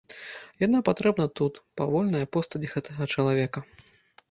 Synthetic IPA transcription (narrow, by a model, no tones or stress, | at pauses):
janapat̪ɾɛbnɐt̪ut̪pavɔlʲnɐjɐpɔst̪ɐd͡zʲiɣɛt̪ɐɣɐt͡ʂɐlˠavʲɛkɐ